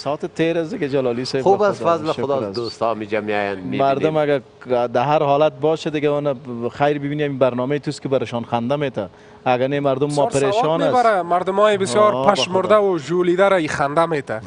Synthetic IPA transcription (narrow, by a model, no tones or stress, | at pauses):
sɔːt̪ɪt̪ʰeɾasd̪ɪɡad͡ʒalɔːlisajxubasfazlɪʊd̪ɔd̪ost̪ɔmid͡ʒamiɔjanmimaɾd̪ʊmaɡa | d̪aɦaɾhɔːlat̪̚bɔːʃad̪ɪɡaʊnaxajɾbɪbiniamibaɾnɔːmejt̪ust̪kɪbaɾɪʃɔːnxand̪ameːt̪aː | ɡanemaɾd̪ʊmːɔpɪɾeʃɔnasaɾamaɾd̪ʊmɔːjɪbɪsjɔːɾpaʃmʊɾd̪awʊʒuːlid̪aɾaixand̪ameːt̪a